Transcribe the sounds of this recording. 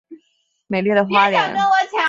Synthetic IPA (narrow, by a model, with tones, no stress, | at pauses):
me˨˩ɪlɛ˥˩d̪ə˩xwa˥ljɛ̰˧˥n